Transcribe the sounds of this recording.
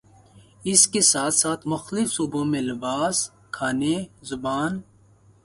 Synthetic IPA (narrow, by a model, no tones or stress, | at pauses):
ɪskesaːt̪saːt̪ʰmʊxlɪfsuːbõmẽlɪbaːs | kʰaːnezʊbaːn